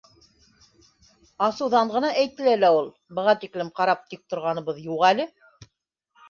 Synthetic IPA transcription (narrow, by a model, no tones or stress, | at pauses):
ɑsɤwðɑɴʁɤ̆nɑʔæjt̪ɘ̆lælæulˠ | bɤ̆ʁɑt̪iklɘmqɑɾɑp̚t̪ik̚t̪ŏɾʁɑnɤ̆βɤðjuʁælɘ